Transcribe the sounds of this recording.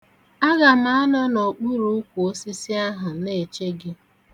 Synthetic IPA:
a˦ɣa˨m̩a˦a˦nɔ˦no˨k͡pu˦ɾu˦ʊ˦kʷu˨o˦si˦si˦a˦ɦa˨ne˦˨t͡ʃe˦ɡɪ˦

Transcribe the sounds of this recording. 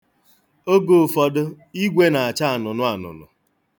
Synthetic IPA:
o˦ɡo˨fɔ˨dʊ˦ | i˦ɡʷe˦na˨a˨t͡ʃa˦a˨nʊ˨nʊ˦a˨nʊ̰˨nʊ̰˨

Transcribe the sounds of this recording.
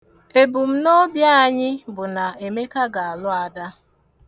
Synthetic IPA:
e˨bu˨m̩˦no˦bja˦a˨ɲɪ˦bʊ˨na˨e˨me˦ka˦ɡa˨a˨lʊ˦a˨da˦

